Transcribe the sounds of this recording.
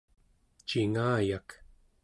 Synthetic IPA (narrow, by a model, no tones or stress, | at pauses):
t͡ʃiŋaːjak